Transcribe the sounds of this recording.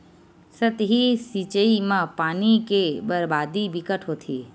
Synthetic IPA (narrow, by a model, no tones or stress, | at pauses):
sət̪ɦisit͡ʃəimãpaːnikebəɾbad̪ibikəʈɦot̪ʰi